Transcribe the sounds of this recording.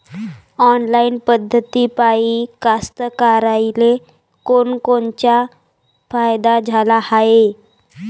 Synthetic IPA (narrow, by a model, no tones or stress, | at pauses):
ɔnlainpəd̪ʱːət̪ipaikast̪əkaɾajle | konkont͡ɕja | fajd̪ad͡zʱalahae